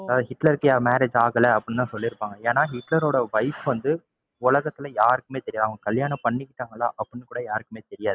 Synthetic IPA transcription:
ɐðaːðɯhɪʈlɐɾkɯjaːmeːɾeːd͡ʒaːɣɐlɐɐpːɽnt̪ãːsɔlːɪɾɯpːaːŋɡɐeːnaːɦɪʈːlɐɾoːɽɐʋɐɪpɯʋɐnd̪ɯ | ʊlɐɣɐt̪ːɪlɐjaːɾɯkːɯmeːt̪ɛɾɪjaːʋɐŋɡɐkɐljaːnɐ̃pɐɳːɪkːɪʈːaːŋɡɐlːaːʔɐpːɐnːɯkuːɽɐjaːɾɯkːɯmeːt̪ɛɾɪjaːðɯ

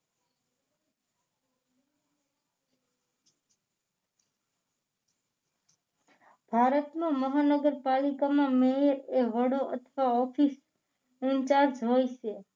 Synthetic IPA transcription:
b̥ʱaɾət̪mãməɦanəɡəɾpalikamãmeɾeʋəɽõʔət̪ʰʋaɔfʰis | ɪnt͡ʃaɾd͡ʒɦojt͡ʃʰe

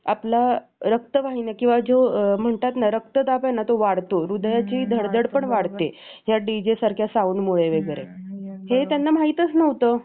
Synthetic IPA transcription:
aplaɾək̚t̪əʋaɦinakĩw̃ʋad͡zom̤əɳt̪at̪naɾək̚t̪əd̪apɛnat̪oʋaɽt̪oɾud̪jat͡ɕiːd̪ʱəɽd̪əɽpəɳʋaɽt̪e | ɦjaɖid͡ʑesaɾkʰjasauːnmuɭeʋeɡəɾḛɦet̪janːam̤aɦit̪ət͡snəʋt̪ə

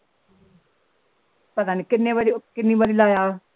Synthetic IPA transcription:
pət̪aːneːkɪnːẽːʋaːɾiːkɪnːiːbaːɾiːlaːjaː

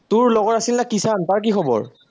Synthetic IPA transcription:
tʊɹlɔɡɔɹasilnakisantaɹk̬ixʰɔbɔ̰ɹ

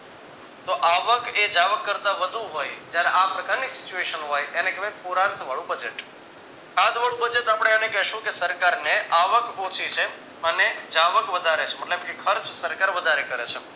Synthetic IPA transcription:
t̪oʔaʋəked͡ʒaʋəkːəɾt̪ãʋəd̪ʱũɦojd͡ʒjaɾeʔapɾəkaɾnisɪt͡ʃueʃənɦojenekeʋepuɾãnt̪ʋaɭũbəd͡ʒeʈ | ãt̪ʰʋaɭũbəd͡ʒeʈapəɳ̃eənekɛɦʃũkesəɾkaɾneʔaʋəkõt͡ʃʰit͡ʃʰe | əned͡ʒaʋəkʋəd̪ʱaɾet͡ʃʰeməʈlebkekʰəɾt͡ʃsəɾkaɾʋəd̪ʱaɾekəɾḛt͡ʃʰe

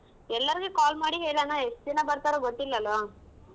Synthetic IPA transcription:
ɛlːɐɾiɡekaːlmaːɽiɦeːɭɭaːnaɦesinɐbɐɾt̪aːɾoɡot̪ːilːɐlo

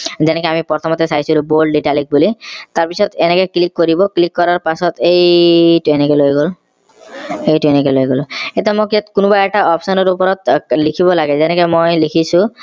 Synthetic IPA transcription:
zɛnɛkeamipɔɾt̪ʰɔmɔt̪esajsulubolɖiʈalik̚bulit̪aɾpisʰɔt̪enɛkɔklikːoɾibɔklikːɔɾaɾpasɔt̪ejʈuenikɛlojɡol | ejʈuenɛkelojɡolet̪emokiat̪kunubaɛk̚ʈaʔɔpsɔnɔɾupɔɾɔt̪likʰibɔlaɡɛzɛnɛkɔmojlikʰisũ

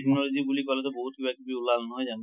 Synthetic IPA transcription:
eknɔlozibulikalɛtɛboɦut̚kʰibakibiulalnɔɦɔjzan

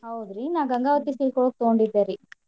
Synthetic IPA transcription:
ɦɐwud̪ɾinaːɡɐŋɡaːʋɐt̪ːisiɭkɔɭok̚t̪oɡoɳɖid̪ːeːɾi

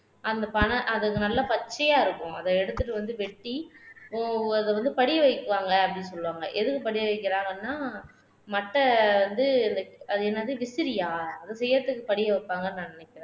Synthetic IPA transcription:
ʔɐnd̪ɐpɐɳɐʔɐðɯkːɯnɐlːɐpɐt͡ʃːɐjaːɪɾɯkːʊ̃ɐðɐɛɽɯt̪ːɯʈ̬ːɯʋɐnd̪ɯʋɛʈːi | ɐðɛʋɐnd̪ɯpɐɽɪjɐʋɐɪkːɯʋaːŋɡɐːpːɐɽɪnsɔlːɯʋaːŋɡɐʔɛðɯkːɯpɐɽɪjɐʋɐɪkːɪɾaːŋɡɐnːaː | mɐʈːɐʋɐnd̪ɯɛnd̪ɐɐðɯɛnːɐːðiʋɪsɪɾɪjaːɐðɐsɛjːɐɾɐt̪ːɯkːɯpɐɽɪjɐʋɐɪpːaːŋɡɐnnanɪnɛkːɪɾɛ̃

